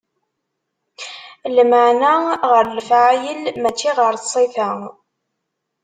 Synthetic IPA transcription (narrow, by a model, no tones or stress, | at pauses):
lməʕnaʁəɾləfʕajəlmæt͡ʃːiʁəɾθsˤiθæ